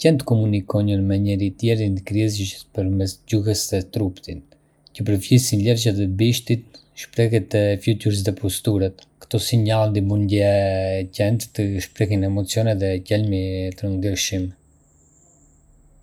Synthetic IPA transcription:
cɛnt̪kɔmunikɔɲəɾmɛɲɛɾit̪jɛɾinkɾiɛziʃəspəɾmɛsɟuɦəsðɛt̪ɾupt̪in | cəp̬əɾfjisinlɛɾʃaðɛbiʃt̪it̪ʃpɾɛɦɛt̪ɛfjut̪uɾs̬ðɛpɔst̪uɾat̪kə̥t̪ɔsiɲalˠd̪imund̪jɛcɛnt̪ːəʃpɾɛɦinɛmɔt͡sijɔnɛðɛcɛlmit̪əɾənd̪əɾʃim

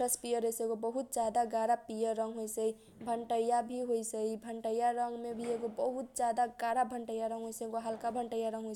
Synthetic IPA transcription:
əspijəɾɦəjsəɡobəɦut̪̚d͡ʒad̪aɡaɾapijəɾəŋɡɦojsəi | bʱəɳʈəjabʱiɦojsəibʱəɳʈəjaɾəŋɡmebʱieɡobəɦut̪̚d͡ʒad̪aɡaɾabʱəɳʈəjaɾə̃ŋɡɦojsəɡoɦəlkabʱəɳʈəjaɾə̃ŋɡɦojs

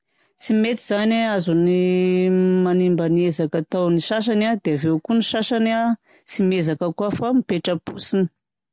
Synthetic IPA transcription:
simet̪iz̥anaazuni | manimbaniezakat̪awniʃaʃ̬anad̪eavewkuniʃaʃana | simezakəkuafamipeʈ͡ʂəb̥usini̥

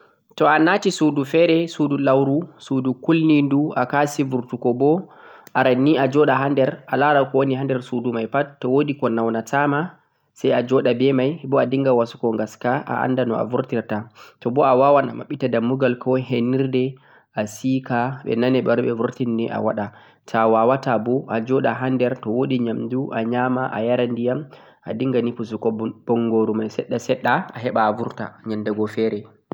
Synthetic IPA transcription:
tɔanatisudufɛɾɛsudulawɾusudukulninduakasivuɾtukɔbɔʔaɾanːiad͡ʒɔɗaɦandɛɾʔalaɾakɔwoniɦandɛɾsudumajpattːɔwodikɔnawnatama | sajad͡ʒɔɗabɛmajbɔadiŋɡawasu̥kɔŋɡaskaʔa̰ʔa̰ndanɔa̰vuɾtiɾtatɔbɔawawana̰ma̰ɓːitadamːuɡalkɔɦenːiɾdɛ | ʔasikaɓɛ̰nanɛɓɔɾɓɛvuɾtindɛʔa̰waɗa | tʰawawatabɔʔad͡ʒɔɗaɦandɛɾtɔwoɗiɲamduʔaɲamaʔa̰jaɾandijam | ʔadiŋɡanipus̬ukɔb̥ɔŋɡoɾumajsɛɗːasɛɗːaaɦɛɓaːvuɾta̰ɲamdɛɡɔfɛɾɛ

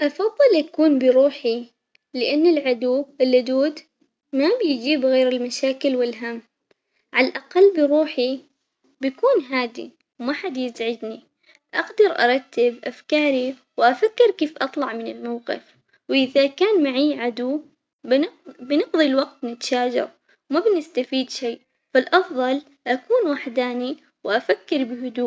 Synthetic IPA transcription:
ʔɑfɑðˤːɨlʔakuːnbɪɾuːħi | lɪʔanːɪlʕad̪uːɪlːʊd̪uːd̪ | mabjd͡ʒiːbɣeːɾɪlmaʃaːkɪlwɪlɦamː | ʕalaʔaqalːbɪɾuːħi | bakuːnɦaːd̪ḭ | wmaħad̪jɪzʕɪd̪ni | ʔaqd̪ɑɾʔɑ̰ɾˤɑt̪ːɪbʔafkɑːɾi | wʔafakːɪɾkeːfʔɑt̪ˤlɑʕmɪnɪlmawqɪ̰f | wʔɪðakaːnmaʕiːʕad̪uː | bɪnɪqðˤilwaɡt̪nɪt̪ʃaːd͡ʒɑ̰ɾ | wmabnɪst̪afiːd̪ʃijː | falʔɑfðˤɑl | ʔakuːnwaħd̪aːni | wʔafakːɪɾbɪɦʊd̪uː

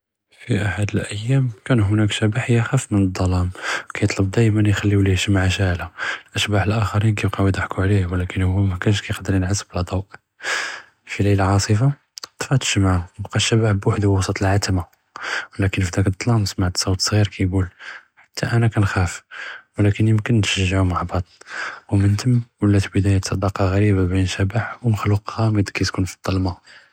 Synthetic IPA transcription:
fiʔaħad̪əlʔəjːæmkænɦʊnækʃæbaħjəxæfmənəd̪ˤːɑlɑmkæjət̪ˤləb̚d̪æjmənjxælːiwliʃəmʕaʃaʕlalʔæʃbaħəlʔæxɑɾinkæbqɑwid̪ˤaħkuʕlihwlækənhʊwːæmækænʃkæjqd̪ːəɾjənʕasːəblɑd̪ˤɑwʔ | filejlaʕɑsˤəfa | t̪ˤfɑt̪ə̥ʃmaʕəbqɑʃːæbaħbwaħəd̪hwɑsˤut̪ˤəlʕat̪ma | wlækənfid̪ækəd̪ˤːlɑmsmaʕt̪sˤɑwt̪sˤɣiɾkʰæjɡulħḁt̪ʰːæʔænækænxæfwlækənjəmkənʃəʒːaʕumaʕbɑd̪ˤwmənt̪əmːwəlːæt̪bəd̪æjat̪sˤɑd̪ɑqɑɣæɾibabinʃæbaħwməxluqhɑməd̪kæt̪kunfid̪̥ˤːɑlmɑ

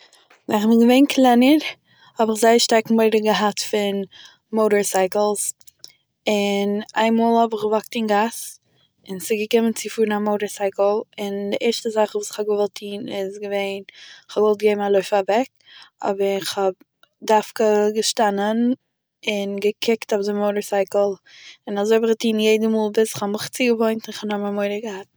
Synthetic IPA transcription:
vɛ̰nχmɪɡəveɪnkʰlˠɛnəɾ | hɔbɪχzaɪəʃtaɾk̩mɔɪdəɡəɦatfɪn | moʊɾəɹsaɪkl̩ˠs | ɪna̰ɪnmɔːlˠhɔbɪχɡəvɔk̚tɪnɡas | ɪnsɪɡəkɪmənt͡sɪfuːɾnamoʊɾəɹsaɪkl̩ˠɪndɪʔɛɹʃtəzaχvuːsɪ̥χhɔb̚ɡəvɔlˠtʰiːnɪzɡəveɪnɪχhɔbɡvɔlˠt̚ɡeɪbmalˠoɪfavɛk | ɔ̰bəɾɪχhɔb̚ | dafkəɡəʃtanən | ɪnɡəkʰɪktʊfdɪmoʊɾəsaɪkl̩ˠɪnazoɪbɪχɡətiːnjeɪdəmuːlˠbɪsɪχhɔmɪχt͡siːɡəvoɪntɪnɪχnɔmamoɪɾəɡəhat̚

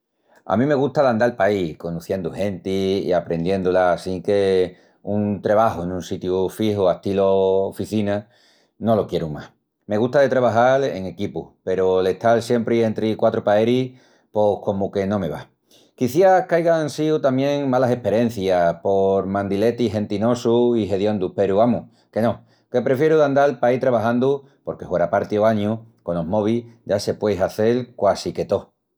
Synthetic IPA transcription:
a̰mĩme̞ɣust̪aland̪alpaihkond̪uθje̞nd̪uhe̞nt̪iḭapɾe̞nd̪je̞nd̪ulasiŋke̞ | unt̪ɾeβaɦuenũnsit̪jufihuast̪iloːfiθina | no̞lo̞kje̞ɾuma̰h | me̞ɣust̪aðe̞t̪ɾaβ̞aɦale̞̰ŋe̞kipupe̞ɾole̞ht̪alsje̞mpɾie̞nt̪ɾikwat̪ɾopae̞ɾi | po̞hko̞muke̞nõ̞me̞βa̰ | kiθjakajɣansiut̪amjẽ̞ŋmalase̞pe̞ɾjẽ̞n̟θjapo̞ɾmãnd̪ile̞t̪iɦe̞nt̪ino̞suiɦe̞ðjo̞nd̪upe̞ɾuamu | ke̞nõ̞ | ke̞pɾe̞fje̞ɾuðand̪alpait̪ɾaβaɦãnd̪u | po̞ɾke̞hweɾapaɾt̪ioaɲuko̞nomo̞β̞iʝase̞pwe̞jɦaθe̞lkwasike̞t̪o̞

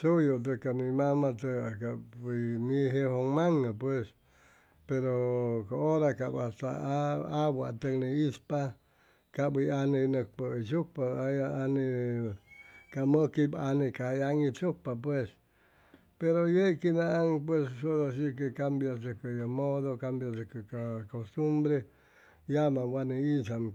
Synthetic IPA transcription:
sujot̪̬əkanimamat̪əakabiniɦehoŋmaŋapwes | peɾokaoɾakabat̪a̰awa̰t̪əkniispa | kabijanenək̚pəit͡ʃupaajaani | kamə̃kibanĩkajaŋĩt͡ʃupap̬wes | peɾojekinãaŋp̬wessuðosik̬ekambjasɨkɨjomoðokambjasekɨkakost̪umbɾe | jamãwʷanĩisam

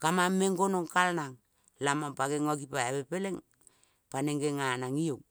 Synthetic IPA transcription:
kamamːeŋɡonoŋkalnaŋ | lamampaɡeŋoɡipaaβepeleŋ | paneŋɡeŋanaŋiok̚

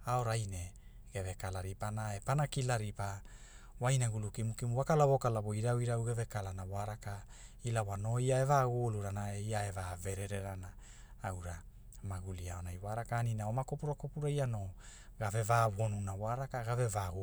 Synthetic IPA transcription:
aoɾajne | ɡ̥eve̞kalaɾipanaepanakilaɾipa | wajnaɡulukimukimuwakalaβo̞kalaβoiɾawiɾawɡeve̞kalanawaɾaka | ilawano̞iae̞vaɡuluɾanaejaevave̞ɾeɾeɾana | awɾa | maɡuliaonajwaɾakaːninaomakopuɾakopuɾaiano̞ | ɡave̞vaβonunawaɾakaɡave̞vaɡ

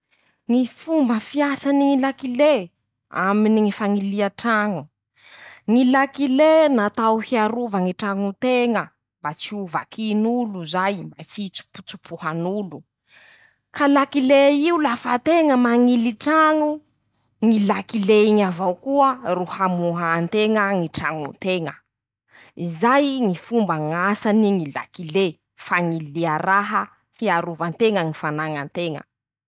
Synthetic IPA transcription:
ŋifumbəfiasaniŋilakile | a̰miniŋifaŋiliaʈ͡ʂaŋu | ŋilakilenat̪awhiaɾuvaŋiʈ͡ʂaŋut̪eŋə | mbat͡siuva̰kʰinuluzajmbat͡sit͡su̥pu̥t͡su̥pʰuhanulu | kʰalakileiulafat̪eŋəmaŋiliʈ͡ʂaŋu | ŋilakileiɲavawkuəruhamuɦant̪eŋəŋiʈ͡ʂaŋṵnt̪eŋə | izajŋifumbaŋasaniŋila̰kile | faŋileaɾaɦə | fiaɾuvant̪eŋəŋifanaŋant̪eŋə̰

